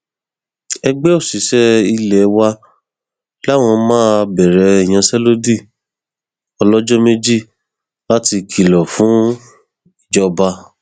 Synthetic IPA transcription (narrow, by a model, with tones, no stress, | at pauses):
ɛ˧ɡ͡bɛ˦o˦˨si˨˦ʃɛ˦i˧lɛ˨˦wa˧ | la˦˨w̃ɔ̃˧mãː˦˧bɛ˨ɾɛ˨i˨j̃ã˧sɛ˦lo˦di˦˨ | ɔ˧lɔ˦d͡ʒɔ˦me˦d͡ʒi˦˨ | la˦ti˧kʰi˨lɔ˨fũ˨˦ | i˨d͡ʒɔ˦ba˧